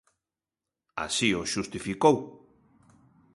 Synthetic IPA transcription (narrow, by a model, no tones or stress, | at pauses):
a̰sioʃust̪ifikow